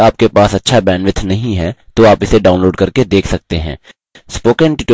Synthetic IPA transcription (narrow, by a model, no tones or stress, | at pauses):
aːp̚kepaːsɐtːʃʰabɛːnʋɪt̪ʰnɐɦĩɦɛt̪oaːpɪseɖaːʊ̃nloːɖkɐɾked̪eːkʰsɐk̚t̪eɦɛ̰̃ː | spoːkɛ̃ɳʈɪʈː